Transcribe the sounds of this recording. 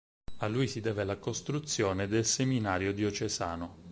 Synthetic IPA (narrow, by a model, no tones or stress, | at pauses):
alːujsid̪ɛːvelakost̪ɾut̪sːjoːned̪elseminaːɾjod̪iot͡ʃezaːno